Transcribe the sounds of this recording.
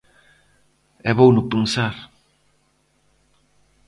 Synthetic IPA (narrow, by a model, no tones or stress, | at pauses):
ɛβownʊpɾunsaɾ